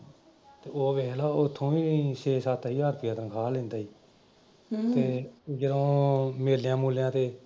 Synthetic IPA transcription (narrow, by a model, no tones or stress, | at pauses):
t̪eːoːʋeːlaːʊt̪ʰːõːiːʃeːsaːt̪aːiːɦəːɾpʰɪjãːt̪ənkʰaːlẽːnd̪aːɦiː | t̪eːd͡ʒədõːmeːlːjãːmuːljãːt̪eː